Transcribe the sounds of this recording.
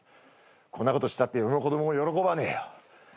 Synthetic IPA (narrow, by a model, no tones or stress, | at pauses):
kʰõ̞nːako̞t̪o̞ɕi̥t̪at̪ːejobʲmoko̞d̪o̞momojo̞ɾo̞ko̞banḛjo